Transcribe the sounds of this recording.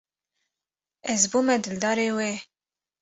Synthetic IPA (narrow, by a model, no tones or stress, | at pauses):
ɛzbuːmɛd̪ɨld̪ɑːɾeːweː